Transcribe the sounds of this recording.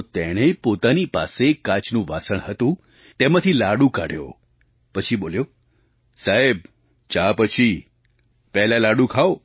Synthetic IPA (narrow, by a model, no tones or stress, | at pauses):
ot̪eɽ̃epot̪anipa̰sekãt͡ʃnũʋasəɳɦət̪ũ | t̪emãt̪ʰilaɽũka̰ɽ̤jo̰ | pət͡ʃʰiboljo | saɦeb̚ | t͡ʃapət͡ʃʰi | pɛɦlalaɽũkʰao